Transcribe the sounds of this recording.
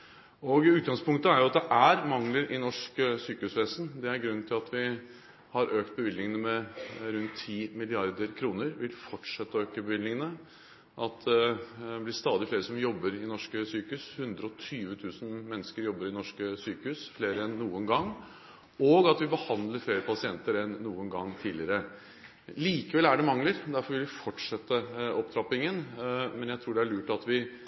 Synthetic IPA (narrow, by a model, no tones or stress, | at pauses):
ɔɡʉːt̪̚ɡɑŋspʊŋkt̪əæɾjʊɑt̪̚d̪ɛʔæɾmɑŋləɾɪnɔʂksyːkəhʉːsʋeːsn̩d̪ɛæɾɡɾʉn̩ːt̪ʰɪlɑt̪ʰʋɪ | hɑɾʔøːkt̪̚bəʋɪlnɪŋənəmɛɾʉnt̪ʰːiːmɪlɪɑɾd̪əɾkʰɾuːnəɾʋɪlfɔʈʂɛt̪ːəøːkəbəʋɪlnɪŋənə | ʔɑt̪ɛblɪst̪ɑːd̪ɪfleːɾəsɔmjɔbːəɾɪnɔʂkəsyːkəhʉːshʉnd̪ɾəɔt̪ʰyːʋət̪ʰʉːsnmɛnːəskəɾjɔbːəɾɪnɔʂkəsyːkəhʉːsfleːɾəɛnːuːənɡɑŋː | ɔɡɑt̪ʋɪbəhɑnd̪ləɾfleːɾəpʰɑsɪɛnt̪əɾɛnːuːənɡɑŋːt̪ʰiːlɪəɾə | liːkəʋɛlæɖɛmɑŋləɾd̪æɾfɔɾʋɪlʋɪfɔʈʂɛt̪ːəɔp̚t̪ʰɾɑpɪŋənmɛnjæɪt̪ʰɾuːɖɛæɭʉːʈɑt̪ʋɪ